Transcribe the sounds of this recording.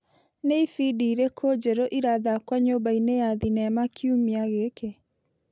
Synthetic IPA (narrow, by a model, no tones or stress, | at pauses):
neifidiːɾekʰod͡ʒɛɾɔʔiɾaðakwaɲobainejaðinɛmakʰiumiaɣeke